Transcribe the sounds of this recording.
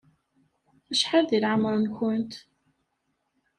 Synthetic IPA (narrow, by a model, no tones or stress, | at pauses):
æʃħaðilʕəməɾˤnkʊnt̪